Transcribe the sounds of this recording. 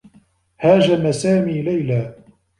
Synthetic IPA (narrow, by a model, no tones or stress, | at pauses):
haːʒamasaːmiːlajlaː